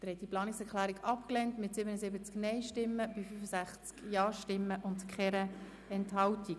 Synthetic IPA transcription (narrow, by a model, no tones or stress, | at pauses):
d̪̥əɾhɛtd̥iplɑːnɪksɛɾklæːɾiɡɑpklɛntmɪtsɪbənəsɪbət͡sknɛɪʃtɪmːəb̥ifyfəsæχt͡skjɑːʃtɪmːəʔʊntkχɛɾə | ɛnthɑwtiɡ